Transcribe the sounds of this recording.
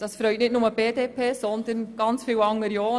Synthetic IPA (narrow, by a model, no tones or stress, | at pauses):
d̥ɑsfɾœʏtnɪtnʊməb̥eːdeːpʰeːsɔnd̪ənɡ̥ɑnt͡sfiːwɑŋːəɾjoː